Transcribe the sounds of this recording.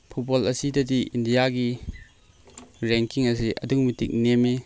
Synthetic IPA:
pʰubolɐsidɐdiʔindijaɡi | ɾɛŋkiŋɐs̬iʔɐ̰duŋmitik̚neme

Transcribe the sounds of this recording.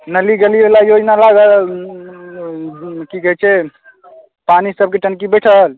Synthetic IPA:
nəliɡəlibelajod͡ʒnalaɡəl | kikəɦɛt͡ʃʰɛ | panisəb̚keʈənkibəʈʰəɦl

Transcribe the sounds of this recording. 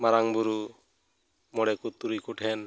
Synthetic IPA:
maɾaŋbuɾu | mɔɽɛkut̪ːuɾikuʈʰɛn

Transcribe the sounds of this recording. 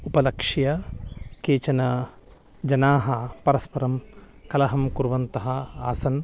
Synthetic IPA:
upɐlɐkʂijɐkeːt͡ʃɐnɐ | d͡ʒɐnaːɦɐpɐɾɐspɐɾɐm | kɐlɐɦɐmkuɾʋɐnt̪ɐɦɐaːsɐn

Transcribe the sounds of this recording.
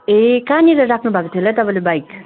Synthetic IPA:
ekaniɾʌɾakʰnubʱakot̪ʰiɦlat̪ʌpãlebajk

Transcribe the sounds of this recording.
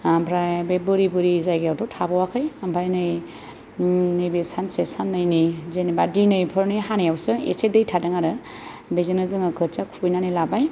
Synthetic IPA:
mpʰɾajbebɯɾibɯɾizajɡejawtʰɔtʰabawakʰɯjambʰajnɯj | nɯjbesansesanːɯjnizenibadinɯjpʰɯɾnɯjɦanejawsɯḛsedɯjtʰadɯŋaɾɯ | bezenɯzɯŋɯkʰɯt͡ʃakʰujnanilabaj

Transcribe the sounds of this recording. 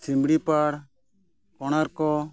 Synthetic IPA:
simbɽipaɽ | kɔɽ̃aɾkɔ

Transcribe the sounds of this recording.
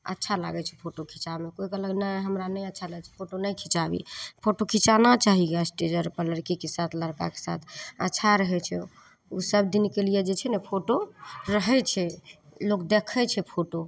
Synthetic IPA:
ə̰tːʃʰala̰ɡɛt͡ʃʰɛpʰoʈokʰit͡ʃamekoikələɡnəɦəmɾanəjətːʃʰaləɡɛt͡ʃʰɛ̥pʰoʈonəjkʰit͡ʃabḭpʰoʈokʰit͡ʃanat͡ʃaɦiɡasʈed͡ʒəɾpələɾkikesat̪ʰləɾka̰ke̥sa̰t̪ʰə̰tːʃʰaɾəɦɛt͡ʃʰɛ | usəb̚d̪inkelijed͡ʒet͡ʃʰɛnɛpʰoʈoɾəɦɛt͡ʃʰɛlokd̪ekʰɛt͡ʃʰɛpʰoʈo

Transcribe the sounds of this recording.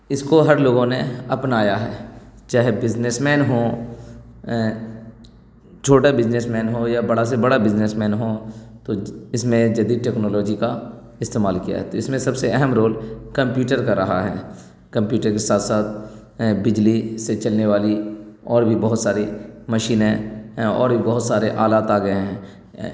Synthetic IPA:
ɪskoɦɐɾloːɡõneɐpnaːjaɦɛːt͡ʃaːɦebɪd͡ʒnesmɛːnɦõ | t͡ʃʰoːʈabɪd͡ʒnesmɛ̃ːnɦojabɐɽasebɐɽabɪd͡ʒnesmɛ̃ːnɦot̪oɪsmẽd͡ʒɐd̪iʈɛːknɔːlɔːd͡ʒika | ɪst̪eːmaːlkija̰ɦɛ̰t̪oɪsmẽsɐbseɛɦɛmɾoːlkɐ̃mpjuːʈəɾkaɾɐɦaɦɛ̰ː | kɐ̃mpjuːʈəɾkesaːt̪ʰsaːt̪̚ | bɪd͡ʒliset͡ʃɐlneʋaːliɔːɾbʱibɐɦʊt̪saːɾimɐʃiːnɦɛ̃ɔ̰ːɾbʱibɐɦʊt̪saːɾeʔaːlaːt̪aːɡɐeɦɛ̃ː

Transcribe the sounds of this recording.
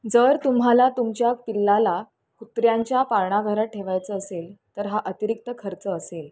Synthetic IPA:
d͡zəɾt̪umɦalat̪umt͡ɕjapilːala | kut̪ɾjaɲt͡ɕjapaɾɳaɡʱəɾaʈʰeʋajt͡səːselt̪əɾɦaʔət̪iɾik̚t̪əkʰəɾt͡səːsel

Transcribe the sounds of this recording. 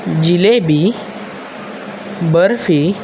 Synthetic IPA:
d͡ʑilebi | bəɾfi

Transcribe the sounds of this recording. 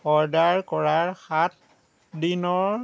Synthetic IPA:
ɔɹdaɹkɔɹaɹxat̚ | dinɔɹ

